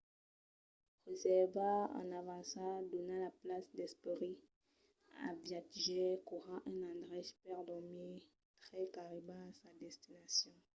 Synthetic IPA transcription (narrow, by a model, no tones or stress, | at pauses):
ʁezɛʁvaã̰navãsad̪ɔnalaplasd̪ɛspeʁi | a̰vjat̪ʒɛkuʁɑ̃ʔɛ̃nãd̪ʁɛʃpɛʁdɔme | t̪ʁɛkaʁemãsad̪ɛst̪inasjɔ̃